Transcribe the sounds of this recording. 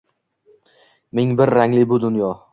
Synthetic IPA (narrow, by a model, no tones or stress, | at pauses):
mɪŋbɪɾːaŋlɪbʊd̪ʊnjɒ